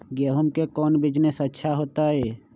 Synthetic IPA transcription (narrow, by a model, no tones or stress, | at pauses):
ɡeːɦʊmkekɔːnbɪd͡ʒnesətːʃʰaɦoːt̪aɦɛː